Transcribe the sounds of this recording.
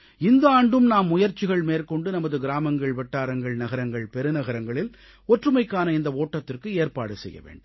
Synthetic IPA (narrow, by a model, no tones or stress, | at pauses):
ɪnd̪ɐaːɳɖɯmnaːmːʊjɐɾt͡ʃːɪɣɐɭmeːɾkɔɳɖɯnɐmɐðɯɡɪɾaːmɐŋɡɐɭʋɛʈːaːɾɐŋɡɐɭnɐɣɐɾɐŋɡɐɭpɛɾɯnɐɣɐɾɐŋɡɐɭɪl | ɔʈrɯmɐɪkːaːnɐɪnd̪ɐoːʈːɐt̪ːɪrkɯeːrpa̰ːɽɯsɛ̰jːɐ̰ʋḛːɳɖ